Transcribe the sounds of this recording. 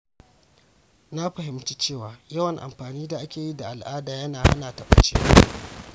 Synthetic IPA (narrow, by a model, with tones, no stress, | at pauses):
na˦ɸɐ˨ɦɪ˨˦mt͡ʃi˦t͡ʃeː˦˨waː˨jɐ˦wɐ˨ŋʔa̰˨mɸaː˨niː˦da˨ʔa˦kʲeː˨ji˦da˨ʔa˨lʔaː˦daː˨jɐ˦naː˨ha̰˦naː˨tɐ˨ɓʼʊ̰˨t͡ʃḛː˦